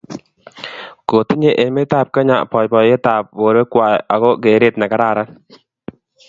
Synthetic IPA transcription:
ko˨ti˦ɲe˦ʔe˨me˦t̪a˦˨p̚ka˦ɲa˨pɔ˨jpɔ˨e˦ta˨p̚wo˨ɾwe˦kwa˨ja˨ɣɔ˦ke˨ɾe˦t̚na˨ka˦ɾa˦˨ɾa˦n

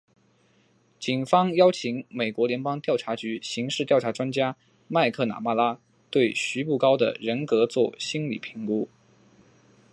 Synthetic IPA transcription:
t͡ɕi˨˩nfɑ˥ŋjɑ˥ʊt͡ɕʰi˧˥ŋme˨˩ɪkwɔ˧˥ljɛ˧˥npɑ˥ŋt̪jɑ˥˩ʊʈ͡ʂʰa˧˥t͡ɕy˧˥ɕi˧˥ŋʂɻ̩˥˧t̪jɑ˥˩ʊʈ͡ʂʰa˧˥ʈ͡ʂwa˥nt͡ɕja˥ | ma˥˧ɪkʰɤ˥˩na̰˨˩ma˥˩la˥ | t̪we˥˩ɪɕy˧˥pu˥˩kɑ˥ʊd̪ə̰˨ɻə˧˥nkɤ˧˥t͡swɔ˥˩ɕi˥nlḭ˨˩pʰi̥˧˥ŋku˥

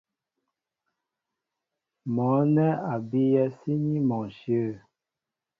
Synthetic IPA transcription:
mɔ̃˨˦nɛ˦a˨bi˦jɛ˦si˦ɲi˦mɔ̃˨ʃjə˦˨

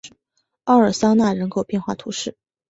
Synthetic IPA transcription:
ɑ˥˩ə˞˨˩sɑ˥ŋna˥˩ɻə˧˥nkʰo˨˩ʊpjɛ˥˧nxwa˥˩t̪ʰu˧˥ʂɻ̩˥˩

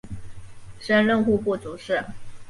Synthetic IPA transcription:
ʂə˥nlə˥˧ŋxu˥˧pu˥˩t͡su˨˥ʂɻ̩˥˩

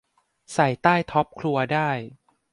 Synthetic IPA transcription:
sa˨˩jt̪aː˥˩jt̪ʰɔ˦˥p̚kʰɾu˧ɐdaː˥˩j

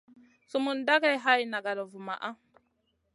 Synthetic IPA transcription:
su˨mu˨nda˦ɡa˦˨jɦa˦ji˨na˨ɡa˨da˨vu˨ma̰˨ʔa˦

